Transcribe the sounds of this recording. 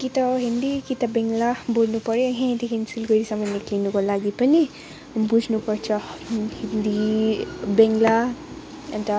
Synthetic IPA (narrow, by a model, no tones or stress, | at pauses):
kit̪aɦind̪ikit̪abeŋɡlabolnupʌɾeɦẽĩnd̪iɦinsulɡəɾisamaniklinukolaɡipəni | bud͡ʒʱnupɔɾt͡ʃʰahind̪i | beŋɡla | ɐnt̪a